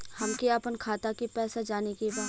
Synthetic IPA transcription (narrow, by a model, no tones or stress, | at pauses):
hɐmkiɐpənkʰaːt̪akipɛːsad͡ʒaːnekebaː